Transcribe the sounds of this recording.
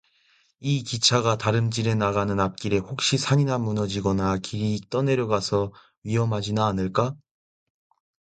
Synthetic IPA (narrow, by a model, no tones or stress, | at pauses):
ikit͡ɕʰaɡataɾɯmd͡ʑiɾe̞naɣanɯnap̚k͈iɾe̞hok̚ɕ͈isʰaɲinamːunʌd͡ʑiɡʌnakiɾiːt͈ʌne̞ɾjoɡasʰʌ | ɥiɦʌmɦad͡ʑinaːnɯɭk͈a